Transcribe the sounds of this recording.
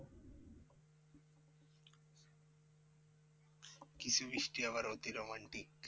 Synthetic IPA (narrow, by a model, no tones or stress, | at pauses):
kisuʋiʃʈiaʋɐɾoːt̪iɾomaɳʈik